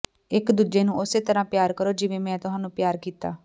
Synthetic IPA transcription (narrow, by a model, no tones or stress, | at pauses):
ɪkd̪uːd͡ʒeːnũːʊseːt̪əɾãːpjaːɾkəɾoːd͡ʒɪʋẽːmɛ̃ːt̪ʊɦaːnũːpjaːɾkiːt̪a̰ː